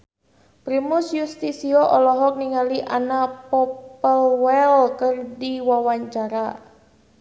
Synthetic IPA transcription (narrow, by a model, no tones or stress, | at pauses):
pɾimʊsjust̪isiɔʔɔlɔɦɔk̚niŋaliʔanapɔpəlwɛlkərdiwawaɲt͡ʃaɾa